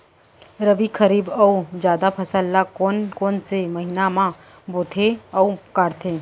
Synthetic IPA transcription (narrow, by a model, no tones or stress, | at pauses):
ɾəbikʰəɾiːbəud͡ʒjaːd̪apʰɐsəlːakoːnkoːnsemɐɦinamã | boːt̪ʰeɐukaːɾt̪ʰeː